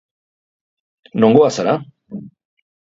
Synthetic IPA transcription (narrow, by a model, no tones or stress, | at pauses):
nõŋɡoasaɾa